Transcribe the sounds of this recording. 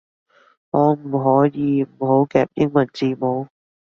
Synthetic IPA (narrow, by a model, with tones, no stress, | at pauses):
ŋɔː˨˧m̩˨˩ɦɔː˨˥jiː˨˧m̩˨˩ho˨˥wkɛː˧p̚jɪ˥ŋmɐ˨˩nt͡siː˧mo˨˧w